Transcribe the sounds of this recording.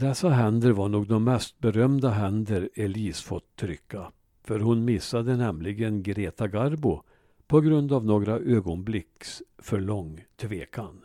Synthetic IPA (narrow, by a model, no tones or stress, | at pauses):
d̪̥ɛsːaɦɛnd̪əɾvaɳuːɡ̚d̪ɔmːɛst̪̚bɛɾœmd̪aɦɛnd̪əɾɛliːsfɔ̰t̪ʰːɾʏkːa | fœɾhʊnmɪsːad̪ənɛmlɪɡənɡɾeːt̪aɡaɾbʊ | pʰɔɡɾɵnd̪avnoːɡɾaʔøːɡɔnblɪksfœɭɔŋːt̪ʰveːkʰan